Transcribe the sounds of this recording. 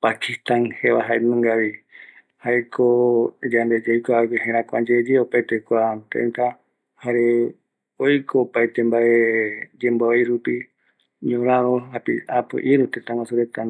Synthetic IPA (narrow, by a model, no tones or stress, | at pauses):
pakist̪ãnheβaɦajmɨ̃ŋɡaβi | haekʰod͡ʒand̪ed͡ʒejkʷakiɦẽɾãkʷad͡ʒed͡ʒeopajt̪ekʷat̪ḛnt̪a | haɾe | ojkʰoːpajt̪embaʔed͡ʒẽmboajɾupi | ɲõɾ̃ãɾoɦapiapɨ̰ʔiɾut̪ẽt̪ãwãsuɾet̪ã